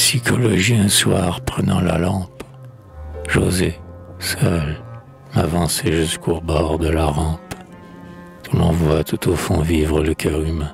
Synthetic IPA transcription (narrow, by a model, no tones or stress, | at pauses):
psikʰɔlɔʒiɛ̃swaʁpχənɑ̃la̰lɑ̃p | ʒozesœl | mavɑ̃seʒyskʰobɔʁd̪əlaʁɑ̃p | d̪ũlɔ̃vwat̪ut̪ofɔ̃vivʁələkʲʰœʁymɛ̃